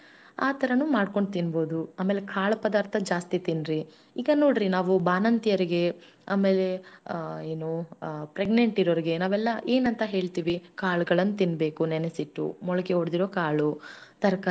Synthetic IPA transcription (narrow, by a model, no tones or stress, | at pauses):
aːt̪ʰɐɾɐnumaːɖko̞ɳɖt̪inbo̞ːd̪uaːme̞ːlekʰaːɭɐpɐd̪aːɾt̪ʰɐd͡ʒaːst̪it̪inɾi | iːɡɐno̞ːɽɾinaːʋubaːnɐnt̪ijɐɾiɡe̞ | a̰ːme̞ːle̞ | eːnupɾeɡneɳʈiɾoːɾiɡe̞naːʋɛlːɐʔe̞ːnɐnt̪ɐɦe̞ːɭt̪iːʋikaːɭuɡɐɭɐnːut̪inbe̞ːkunɛnesiʈːṵmɔɭɐkeoɽd̪iɾoːkaːɭut̪ɐɾɐka